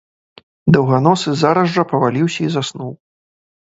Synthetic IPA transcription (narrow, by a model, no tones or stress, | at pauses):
d̪ɐwɣanɔsɨzaɾɐzɐpɐvalʲiwsʲɐizasnuw